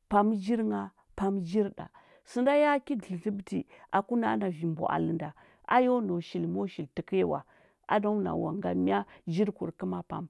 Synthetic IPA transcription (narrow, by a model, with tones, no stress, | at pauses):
pa˨md͡ʒi˦ɾŋa˨ | pa˨md͡ʒi˦ɾɗa̰˨ | sə˨nda˦ja˦ki˦di˨ɬi˦bti˨ʔa˨ku˦na̰˦na˨vi˨mbo̰˨ʔa̰˨lə˨nda˨ | ʔa̰˦jo˦no˨ʃi˨lmo˦ʃi˨lti˨ke˦wa̰˨ | a̰˦do˦na̰˨wa˨ŋɡa˦mi˦a˦d͡ʒi˦ɾku˨ɾkə˦ma˦pa̰˨m